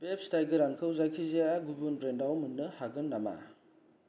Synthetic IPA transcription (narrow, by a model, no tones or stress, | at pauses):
bep̚stajɡɯɾaŋkʰɯwzajkʰiziaɡubunbɾendawmunːɯhaɡɯnːama̰